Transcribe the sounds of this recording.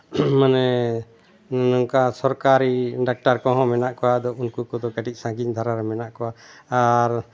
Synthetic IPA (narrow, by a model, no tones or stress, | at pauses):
manɛ | nɔŋkasɔɾkaɾiɖak̚ʈaɾkɔ̃ɦɔ̃mɛnaʔkɔwad̪ɔunkukɔd̪ɔkaɖiˀsãɡid̪ʱaɾaɾɛmɛnaʔkɔwaaɾ